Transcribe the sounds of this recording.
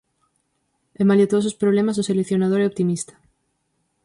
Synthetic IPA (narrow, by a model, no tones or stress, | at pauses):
emaljet̪osospɾoβlemasoselekθjonað̞oɾɛopt̪imist̪ḁ